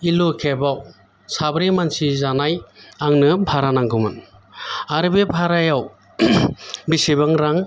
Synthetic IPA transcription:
ilokʰebaw | sabɾimansizanajaŋnɯbʱaɾanaŋɡɯmɯn | aɾɯbebʱaɾajaw | bisebaŋɾaŋ

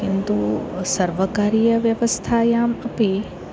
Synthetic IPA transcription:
kint̪usɐɾʋəkaːɾijɐʋjɐʋɐst̪ʰajaːmɐpe

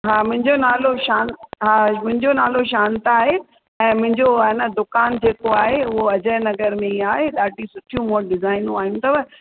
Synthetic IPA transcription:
ɦaːmʊ̃ɦɪ̃ɲd͡ʑonaːloʃaːnɦaːmʊ̃ɦɪ̃ɲd͡ʑonaːloʃaːnt̪aːɦe | ɛ̃ːmʊ̃ɦɪ̃ɲd͡ʑoɐnəd̪ʊkaːnd͡ʑeːkoaːɦeʊɦoɐd͡ʑəɪnɐɡəɾmẽiaːɦeɗaːʈisʊʈʰijũmõɖɪzaːɪnũaːɦijũt̪ʰɐʋɐ

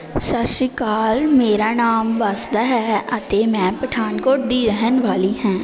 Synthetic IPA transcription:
səʃɪkaːlmeːɾaːnaːmʋaːsd̪aɦɛːət̪eːmɛ̃ːpəʈʰaːnkoːʈ̚d̪iːɾəɦənʋaːliːɦɛ̃ː

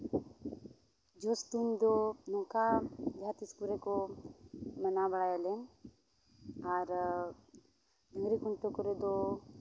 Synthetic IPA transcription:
d͡ʒɔsʈ̪uɲd̪ɔnɔ̃kad͡ʒʱat̪iskuɾekɔ | mənabəɽajalɛn | aɾ | d̪əŋɡɾikunt̪ɔkɔɾed̪ɔ

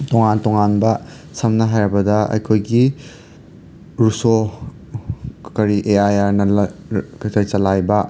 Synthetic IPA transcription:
toŋantoŋanbɐ | sɐmnɐɦajɾɐbɐdɐɐ̰jkʰojɡi | ɾuso | kɐɾiʔeajaɾnɐkkɐɾisɐlajbɐ

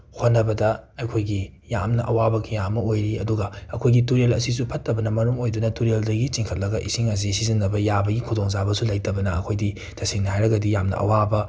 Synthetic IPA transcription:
hot̚nːɐbɐdɐɐjkʰojɡi | ja̰mnɐʔɐwabɐkʰijamɐojɾiɐduɡɐɐkʰojɡituɾelɐsisupʰɐtːɐbɐnɐmɐɾumojdunɐtuɾeldɐɡit͡ʃiŋkʰɐt̚lɐɡɐʔḭsiŋɐs̬isiziŋːɐbɐjabɐɡikʰudoŋzabɐsulɐjtɐbɐnɐɐ̰kʰojdi | tʰɐsiŋniɦajɾɐɡɐdijamnɐ̰ʔɐ̰wabɐ

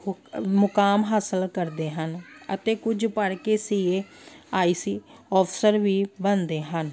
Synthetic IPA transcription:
mʊkaːmɦaːsəlkəɾd̪eːɦənət̪eːkʊd͡ʒpəɽkeːsiːeː | aːiːsiːɔːpʰsəɾʋiːbənd̪eːɦən

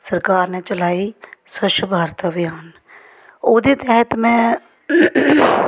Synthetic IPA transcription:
səɾkaːɾneːt͡ʃəlaːiːswəʃbʱaːɾət̪əʋɪjaːn | oːd̪eːt̪ɛɦət̪mɛ̃ː

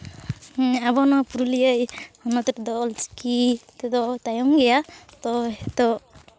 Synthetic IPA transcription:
abɔnɔpuɾulijəjɔnɔt̪ɛtɛd̪ɔɔlt͡ʃkit̪ɛd̪ɔt̪ajɔŋɡɛjat̪ɔɦɛt̪ɔ

